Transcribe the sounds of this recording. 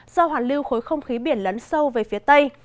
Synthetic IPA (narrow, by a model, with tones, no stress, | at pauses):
z̥ɔ˧ɦwaː˨˩nlɨ˧wxo˨˦jxə˧wŋ͡mxi˨˦ɓi˧˩ənlə˨˦nsə˧wve˨˩fi˨˦ət̪ə˧j